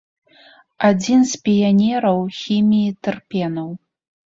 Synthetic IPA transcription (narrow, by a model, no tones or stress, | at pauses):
ad͡zʲinspʲijanʲɛɾɐwxʲimʲijit̪ɨrpʲɛnɐw